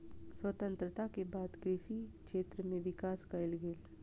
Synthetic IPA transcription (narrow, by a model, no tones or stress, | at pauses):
swət̪ə̃nt̪ɾət̪akebaːd̪kɾɪʃikʃeːt̪ɾəmẽʋɪkaːskaɪlɡeːl